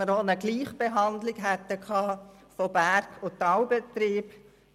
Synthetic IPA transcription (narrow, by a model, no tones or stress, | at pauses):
əɾonəɡliːχb̥eɦɑnd̪lɪɡɦɛt̪ːəkʰɑː | fobæɾkʰʊtɑwbet̪ɾiːb